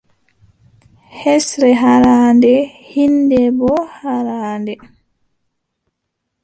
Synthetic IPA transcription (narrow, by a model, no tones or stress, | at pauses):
hɛsɾɛɦaɾandɛhindɛbɔhaɾaːndɛ